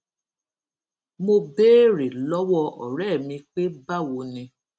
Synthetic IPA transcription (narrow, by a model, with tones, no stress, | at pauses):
mo˧beː˦ɾe˨lɔ˦wɔ˦˧ɔ̰˨ɾɛ˦˨mĩ˧k͡pe˦ba˦˨wo˧nĩ˧